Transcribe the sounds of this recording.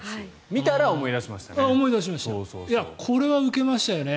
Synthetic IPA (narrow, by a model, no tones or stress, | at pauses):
a | mʲit̪aɾaomo̞id̪aɕimaɕt̪aaomo̞id̪aɕ̬imaɕi̥t̪ajakʰo̞ɾe̞βaɯ̟ke̞maɕi̥t̪ajo̞ne̞